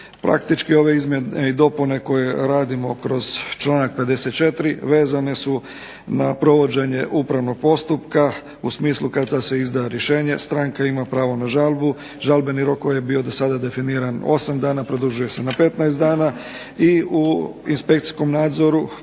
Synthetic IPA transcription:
pɾa̰kt̪it͡ʃkio̞ʋe̞izmjeneid̪o̞pune̞ko̞je̞ɾaːd̪imo̞kɾo̞z̥t͡ʃlˠaːnak̚pe̞d̪e̞se̞t̪̚t͡ʃe̞t̪ɾiʋe̞ːzane̞su | napɾo̞ʋo̞d͡ʑe̞ɲe̞ʔupɾaʋno̞ɡ̥̚po̞st̪upka | usmiːslˠukad̪d̪ase̞izd̪ajeɾjeʃe̞ːɲe̞st̪ɾaŋkaimapɾaːʋo̞naʒalˠbu | ʒalbe̞niɾo̞kːojebio̞d̪osad̪ad̪e̞finiːɾano̞̰samd̪aːnapɾod̪uʒuje̞se̞nape̞t̪naest̪d̪aːna | iuinspekt̪i̥sko̞mnaːd̪zo̞ɾu

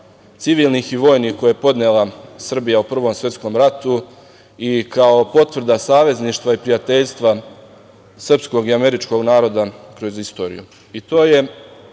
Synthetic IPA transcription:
t̪siʋiːlˠniːxiʋo̞ːjnihko̞jaepo̞d̪nelˠasr̩bijaupr̩ʋo̞msʋje̞t̪sko̞mɾat̪u | ikao̞po̞t̪ʋr̩d̪asaːʋe̞zniːʃt̪ʋaipɾijat̪e̞ʎst̪ʋa | sr̩psko̞ɡiame̞ɾit͡ʃko̞ɡnaːɾo̞d̪akɾo̞zist̪o̞ɾḭju | it̪o̞ːje̞

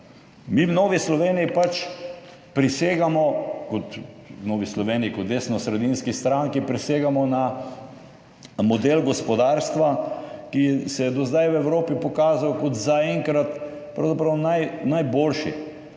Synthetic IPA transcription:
miwnoːʋislɔʋeːnijipat͡ʃ | pɾiseːɡamɔkɔt̪noːʋislɔʋeːnijikɔt̪̚d̪esnɔsɾɛd̪inskist̪ɾaŋkipɾiseːɡamɔna | mɔd̪elɡɔspɔd̪aːɾst̪ʋakisɛjɛd̪ɔzd̪ajwɛwɾoːpipɔkaːzawkɔt̪zaɛŋkɾat̪ | pɾɐwzapɾɐwnajnajboːlʃḭ

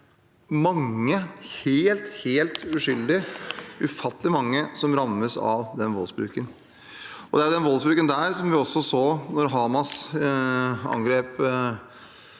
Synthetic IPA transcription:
mɑŋːəheːlt̪heːlt̪ʉʂʏld̪ɪʉfɑt̪ːlɪmɑŋːəsɔmɾɑmːəsɑ̰ʋd̪ɛnʋɔlsbɾʉ̰ːkən | ɔd̪ɛæɾjʊd̪ɛnʋɔlsbɾʉːkənd̪æːɾsɔmʋɪɔsːɔsoːnɔɾɦɑːmɑs | ɑ̰ŋɡɾeːp

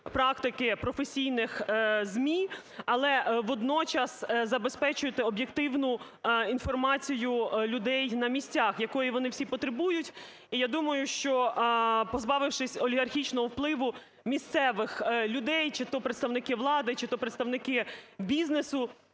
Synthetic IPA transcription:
pɾɑk̚t̪ɪkɪpɾɔfesʲijnɪxzmʲi | ɐlˠɛʋɔd̪nɔt͡ʃɐszɐbespɛt͡ʃʊjɪt̪ɪɔbʲjekt̪ɪwnʊ | in̪fɔrmɑt͡sʲijʊlʲʊd̪ɛjnɐmʲisʲt͡sʲaxjɐkɔjiʋɔnɪwsʲipɔt̪ɾebujʊtʲ | ijad̪umɐjʊʃt͡ʃɔpɔzbɑʋɪwʃɪsʲɔlʲiɣɐrxʲit͡ʃnɔɦɔwplˠɪʋʊ | mʲist̪sɛʋɪxlʲʊd̪ɛjt͡ʃɪt̪ɔpɾeɪt̪st̪ɐʋnɪkɪʋlˠɑd̪ɪt͡ʃɪt̪ɔpɾet̪st̪ɐʋnɪkɪbʲiznesʊ

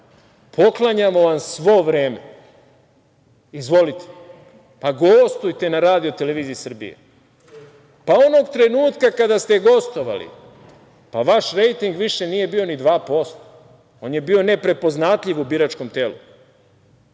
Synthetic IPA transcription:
pʰo̞klˠaɲamo̞ʋamsʋo̞ʋɾe̞ːme̞ | izʋo̞lit̪ʰe̥ | paɡost̪ujt̪e̞naɾaːd̪io̞t̪e̞leʋiːziisr̩bḭjḛ | paono̞ɡt̪ɾe̞nuːt̪kakad̪ast̪e̞ɡo̞st̪o̞ʋa̰lḭ | paʋaʃɾe̞jt̪iŋɡʋiʃe̞nije̞bio̞nid̪ʋaːpo̞st̪o | o̞ːnje̞bio̞ne̞pɾe̞po̞znat̪ʎʲiʋubiɾat͡ʃko̞mt̪eːlṵ

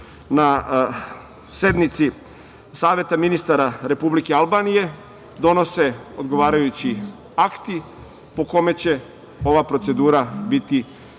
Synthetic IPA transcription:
na | se̞d̪nit̪si | saːʋe̞t̪aminist̪aɾaɾe̞publike̞alˠbaːnije̞ | d̪o̞no̞se̞o̞d̪ɡo̞ʋaːɾajut͡ɕi | akt̪i | po̞ko̞me̞t͡ɕe̞ | o̞ʋapɾo̞t̪se̞d̪uːɾabit̪i

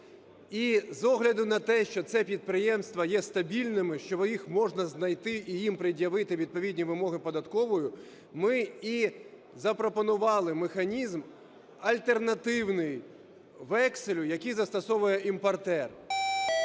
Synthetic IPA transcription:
izɔɦlʲɐd̪ʊnɐt̪ɛʃt͡ʃɔt̪sɛpʲid̪̚pɾɪjɛmst̪ʋɐjɛst̪ɐbʲilʲnɪmɪʃt͡ʃɔjixmɔʒnɐznɐjt̪ɪʔijimpɾɪdʲjɐʋɪt̪ɪʋʲid̪̚pɔʋʲidʲnʲiʋɪmɔɦɪpɔd̪ɐt̪kɔʋɔjʊ | mɪi | zɐpɾɔpɔnʊʋɑlˠɪmexɐnʲizm | ɐlʲt̪ernɐt̪ɪwnɪj | ʋɛksɪlʲʊjɐkijzɐst̪ɐsɔʋʊjɛʔimpɐrt̪ɛr

